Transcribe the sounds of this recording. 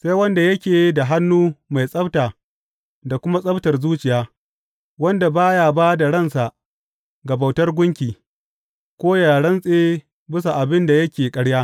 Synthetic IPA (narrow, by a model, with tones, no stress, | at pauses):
sa˦jwɐ˦nda˨jɐ˦kʲeː˨˦da˨ɦa˦nːuː˦ma˨jsʼɐ˦btaː˨ | da˨kʷʊ˦ma˦sʼɐ˦btɐ˨rzuː˦t͡ʃɪ˨jaː˦ | wɐ˦nda˨baː˦ja˨baː˦da˨ɽɐ˦˨nsa˨ʔ | ɡɐ˨ba˨wtɐ˦rɡʷʊ˦ŋkʲiː˨ | kʷoː˦jaː˨ɽɐ˦nsʼeː˦ | bɪ˦sa˨ʔa˨bɪ˦nda˨jɐ˦kʲeː˨kʼɐ˦ɽjaː˦